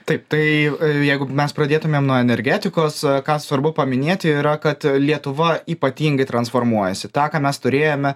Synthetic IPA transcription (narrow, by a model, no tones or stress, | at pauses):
t̪ɐɪpt̪ɐɪjɛɪɡʊmʲɛspɾɐd̪ʲeːt̪ʊmʲeːmnuɔɛnʲɛɾʲɡʲæːt̪ʲɪkoːskɑːsʋɐɾbʊpɐmʲɪnʲeːt̪ʲɪiːɾɐkɐt̪lʲiɛt̪ʊʋɐiːpɐt̪ʲiːŋɡɐɪt̪ɾɐnsfoːɾmuɔjɛsʲɪt̪ɑːkɑːmʲɛst̪ʊɾʲeːjomʲɛ